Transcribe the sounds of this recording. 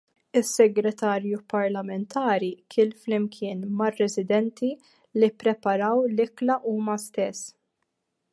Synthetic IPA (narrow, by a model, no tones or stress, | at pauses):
ɪsːɛɡɾɛt̪ɐːɾjupɐɾlɐmɛnt̪ʰɐːɾikʰɪːlflɪmkʰɪːnmɐrːɛzɪd̪ɛnt̪ʰi | lipːɾɛpɐɾɐwlɪklɐʔuːmɐst̪ɛsː